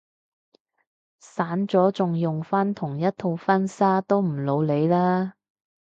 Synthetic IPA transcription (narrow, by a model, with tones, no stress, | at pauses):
saː˨˥nt͡sɔː˨˥t͡sʊ˨ŋjʊ˨ŋfaː˥nt̪ʰʊ˨˩ŋjɐ˥t̚t̪ʰo˧wfɐ˥nsaː˥t̪o˥wm̩˨˩lo˨˧wle˨˧jlaː˥